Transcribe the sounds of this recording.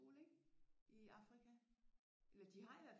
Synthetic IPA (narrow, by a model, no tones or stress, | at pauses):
o̝ːleɡ̥iɑ̈fʁikʰæ | ʔelɐd̥iɦɑ̈iʋæɐ̰f